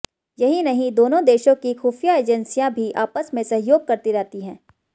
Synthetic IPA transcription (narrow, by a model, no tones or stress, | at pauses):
jɐɦinɐɦĩd̪oːnõd̪eːʃõkixuːfijaeːd͡ʒənsijãbʱiʔaːpəsmẽsɐɦɪjoːɡ̚kɐɾt̪iɾɛɦt̪iɦɛ̃ː